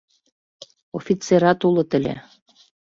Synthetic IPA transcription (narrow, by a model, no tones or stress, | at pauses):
ofʲit͡seɾɑt̪ulɤ̆t̪ə̆lʲḛ